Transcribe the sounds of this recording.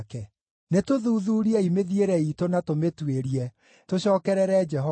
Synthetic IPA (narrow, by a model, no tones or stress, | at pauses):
kɛ | netoðuːðuːɾiɛimeðieɾɛitonatometweɾiɛ | toɕɔːkɛɾɛɾɛd͡ʒɛɦɔ